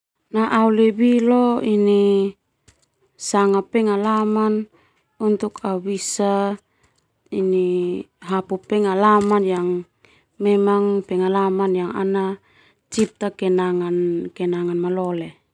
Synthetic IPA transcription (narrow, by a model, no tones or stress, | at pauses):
naʔaulebiloini | saŋapɛŋalaman | unt̪ukaubisa | iniɦapupɛŋalamanjaŋ | mɛmaŋpɛŋalamanjaŋa̰na | t͡ʃip̚t̪akɛnaŋankɛnaŋanmalɔle